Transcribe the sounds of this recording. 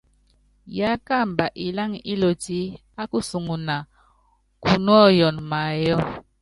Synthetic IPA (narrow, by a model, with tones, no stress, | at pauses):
ja˨˦ka˦˨mba˨ʔi˨la˦ŋi˦lo˨ti˦ | a˦ku˦su˨ŋu˨na˨ | ku˨nu˦ɔ˦jɔ˨nma˨jɔ˦